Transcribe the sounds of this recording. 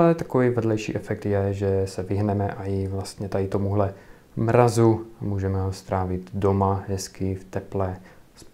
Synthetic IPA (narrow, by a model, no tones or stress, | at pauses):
lɛt̪akoviːvɛdlɛjʃḭːʔɛfɛk̚t̪jɛʒɛsɛvɪɦnɛmɛʔajɪvlast̪ɲɛt̪adɪt̪omuɦlɛ | mɾazumuːʒɛmɛɦost̪ɾaːvɪt̪domaɦɛskɪft̪ɛplɛs